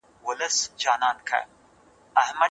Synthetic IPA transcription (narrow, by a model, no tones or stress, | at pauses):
wʊləsd͡ʒaːnaːnkʰɐ̰ | ɐɦmɐ